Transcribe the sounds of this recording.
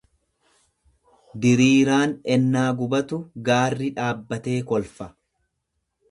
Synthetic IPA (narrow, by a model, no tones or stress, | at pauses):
d̪ɪɾiːɾaːnɛnːaːɡʊbɐt̪ʊɡaːrːɪᶑaːbːɐt̪e̞ːkɔlfɐ